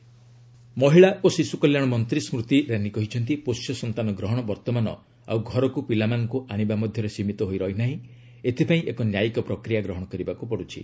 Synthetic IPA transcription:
mɔɦiɭaʔosisukɔljaɽɔmɔnt̪ɾismɾut̪iɾanikɔɦit͡ʃʰɔnt̪iposjɔsɔnt̪anɔɡɾɔɦɔɽ̃ɔbɔɾt̪ɔmanɔ̰ | a̰wɡʱɔɾɔkupilamanɔkuʔaɽ̃ibamɔd̪ʱjɔɾesimit̪ɔɦojɾɔɦinaɦĩ | et̪ʰipaĩʔekɔnjajikɔpɾɔkɾijaɡɾɔɦɔɽ̃ɔkɔɾibakupɔɽut͡ʃʰḭ

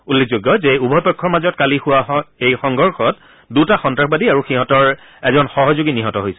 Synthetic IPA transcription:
ulːek̚ʰzoɡːɔzɛubʱɔpɔkʰːɔɹmazɔt̚kalixʊwaejxɔŋɡɔɹxɔt | dutaxɔntɹaxbadiaɹuxiɦɔtɔɹ | ɛzɔnxɔɦɔzoɡiniɦɔtɔɦojsɛ

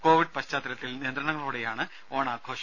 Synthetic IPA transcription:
ko̞ːʋiɖɨpɐɕt͡ɕaːt̪ːiɾɐt̪ːilnieɐnd̪ɾɐɳɐŋːɐɭuːɽejaːɳɨ | o̞ːɳaːkʰoːʂ

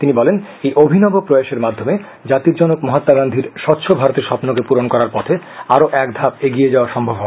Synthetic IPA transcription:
t̪inibɔlen | ejʔobʱinɔbopɾojaʃeɾmad̪ʱːome | d͡ʑat̪iɾd͡ʑɔnokmɔɦat̪ːaɡand̪ʱiɾʃɔt̪ːɕʰobʱaɾot̪eɾʃɔpnokepuɾonkɔɾaɾpɔt̪ʰe | aɾoʔɛkd̪ʱapeɡijed͡ʑaoaɾʃɔmbʱobɦɔ

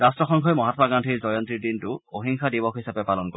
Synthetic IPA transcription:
ɹastɹɔxɔŋkʰɔjmɔɦatɔmaɡantʰiɹzɔjɔnt̪ɹidintʊoɦiŋxʰadibɔxɦisapɛpalɔnko

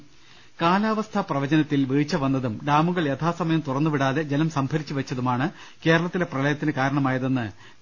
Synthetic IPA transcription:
kaːlaːʋɐst̪ʰaprɐʋɐd͡ʑɐnɐt̪ːilʋiːt͡ɕːɐʋɐnːɐðumɖaːmuɣɐɭe̞t̪ʰaːsɐmɐjɐmt̪urɐnːuʋiɽaːðe̞d͡ʑenɐmsɐmbʱɐɾit͡ɕːuʋɐt͡ɕːɐðumaːɳɨ | ke̞ːɾɐɭɐt̪ːile̞prɐlɐjɐt̪ːinɨkaːɾɐɳɐmaːjɐðenːɨ

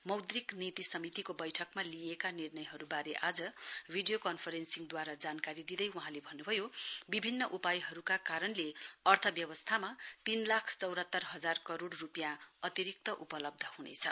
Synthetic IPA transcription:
mʌwd̪riknit̪isʌmit̪ikobʌjʈʰʌkmaliekanirnʌjɦʌɾubaɾeʔad͡zʌbʱiɖijokʌnpʰʌɾensiŋd̪waɾad͡zankaɾid̪id̪ʌjuɦãlebʱʌnːubʱʌjobibʱinːʌʔupajɦʌɾukakaɾʌnleʌrt̪ʰʌbjʌβʌst̪ʰamat̪inlakʰt͡sʌwɾʌt̪ːʌrɦʌd͡zarkʌɾoɽːupjãʌt̪iɾik̚t̪ʌʔupʌlʌb̚d̪ʱʌhunḛt͡sʰʌ

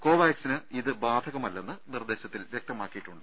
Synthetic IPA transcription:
ko̞ːʋaːjksinɨiðɨbaːd̪ʱɐɣɐmɐlːe̞nːɨnird̪e̞ːɕɐt̪ːilʋjek̚t̪ɐmaːkːijiʈːuɳɖɨ

